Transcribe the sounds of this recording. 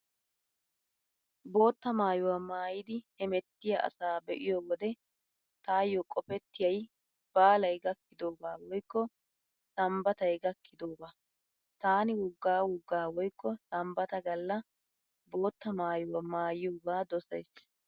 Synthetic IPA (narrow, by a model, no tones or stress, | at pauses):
bo̞ːt̪ːɐmaːjʊwaːmaːjɪd̪ɪhɛmɛt̪ːɪjɐʔɐ̰saːbɛʔɪjɔwɔd̪ɛ | t̪aːjːɔkʼɔpɛt̪ːɪjɐj | b̥aːlɐjɡɐkːɪd̪oːɡaːwɔjkːɔ | sɐmbɐt̪ɐjɡɐkːɪd̪oːɡaː | t̪aːnɪwʊɡːaːwʊɡːaːwɔjkːɔsɐmbɐt̪ɐɡɐlːɐ | bo̞ːt̪ːɐmaːjʊwamaːjɪjoːɡaːd̪ɔsɐjs